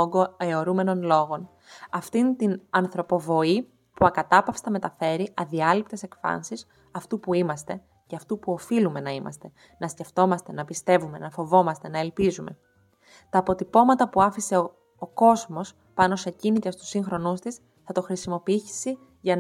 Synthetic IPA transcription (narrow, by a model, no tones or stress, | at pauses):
ɡoeoɾume̞no̞nlo̞ɣo̞n | ɐft̪int̪inɐnθɾo̞po̞vo̞i | puɐkɐt̪ɐpɐfst̪ɐme̞t̪ɐfe̞ɾiʔɐðiɐlip̚t̪e̞se̞kfɐ̰nsis | ɐft̪upuimɐst̪e̞ | ceɐft̪upuo̞filume̞nɐimɐ̰st̪e̞ | nɐsce̞ft̪o̞mɐst̪e̞nɐpist̪e̞vume̞nɐfo̞vo̞mɐst̪e̞nɐe̞lpizume̞̰ | t̪ɐːpo̞t̪ipo̞mɐt̪ɐpuɐfise̞ | o̞ko̞zmo̞s | pɐno̞secinit̪est̪u̥siŋxɾo̞nust̪is | θɐt̪o̞xɾisimo̞piiçi̥si | ʝɐn